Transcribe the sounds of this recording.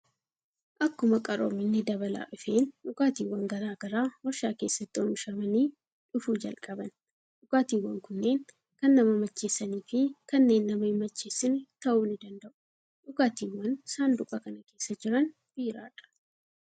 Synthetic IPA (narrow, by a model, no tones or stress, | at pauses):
ʔɐkːʊmɐkʼɐɾo̰ːmɪnːɪd̪ɐβɐla̰ːʔʊfe̞ːnᶑʊkaːt̪iːwːɐŋɡɐɾaːɡɐɾaːwɔʃaːke̞ːsːɐt̪ːɪɔmʃɐmɐni | ᶑʊfuːd͡ʒɐ̰lkʼɐbɐn | ᶑʊkaːt̪iːwːɐŋkʊnːe̞ːŋ | kɐnːɐmɐmɐt͡ʃːeːsːɐniːfɪkɐnːe̞ːnːɐmɐɪmɐt͡ʃːeːsːɪnt̪ɐʔuːnɪd̪ɐnd̪ɐʔʊ̥ | ᶑʊkaːt̪iːwːɐnsaːnd̪ʊkʼɐkɐnɐke̞ːsːɐd͡ʒɪɾɐn | b̥iːɾa̰ːᶑɐ̥